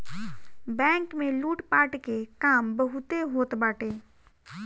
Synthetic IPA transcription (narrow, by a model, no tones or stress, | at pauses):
bɛ̃ːŋkmẽluːʈpaːʈkekaːmbɐɦʊt̪eɦoːt̪baːʈeː